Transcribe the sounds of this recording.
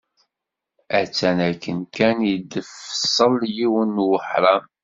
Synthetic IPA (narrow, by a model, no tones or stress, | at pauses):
æt͡sːænækːənkænjəd̪əfsˤəljiwənːwəħɾˤɑm